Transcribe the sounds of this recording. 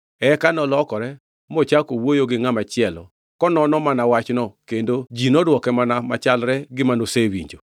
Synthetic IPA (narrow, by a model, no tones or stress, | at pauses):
ɛkanɔlɔkɔɾɛ | mɔt͡ʃakowojoɡɪŋamat͡ʃɪɛlɔ̰ | kɔnɔnɔmanawat͡ʃnɔkendod͡ʒinɔdwɔkɛmanamat͡ʃalɾɛɡɪmanosewḭɲd͡ʒo